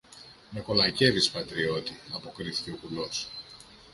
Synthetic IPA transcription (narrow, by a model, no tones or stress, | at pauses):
me̞ko̞lɐce̞vispɐt̪ɾio̞t̪iɐpo̞kɾiθi̥ce̞o̞kulo̞s